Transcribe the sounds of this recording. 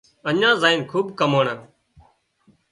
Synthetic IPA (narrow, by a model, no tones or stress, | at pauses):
əɲãːzaːɪnkʰuːbkəmoːɳaː